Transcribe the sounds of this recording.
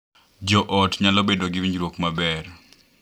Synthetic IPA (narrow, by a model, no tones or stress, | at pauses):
d͡ʒɔʔɔtɲalɔbedoɡiwiɲɾwokmabɛr